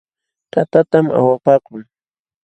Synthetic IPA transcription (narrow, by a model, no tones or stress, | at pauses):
t̪at̪at̪amʔa̰wapaːkʊŋ